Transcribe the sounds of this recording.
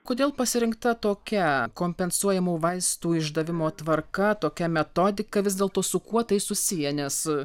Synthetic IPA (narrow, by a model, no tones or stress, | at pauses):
koːd̪ʲeːlˠpɐsʲɪɾʲɪŋkt̪ɐt̪oːkʲɛkoːmʲpʲɛnsuɔjɛmuːʋɐɪst̪uːɪʒd̪ɐʋʲɪmoːt̪ʋɐrkɐt̪oːkʲɛmʲɛt̪od̪ʲɪkɐʋʲɪzʲd̪ʲeːlˠt̪oːsʊkuɔt̪ɐɪsʊsʲijɛnʲɛs